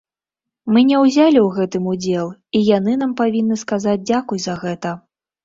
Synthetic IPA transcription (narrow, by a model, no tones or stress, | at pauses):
mɨnʲɛwzʲalʲiwɣɛt̪ɨmud͡zʲɛlˠijanɨnampavʲinːɨskazad͡zʲd͡zʲakujzɐɣɛt̪ɐ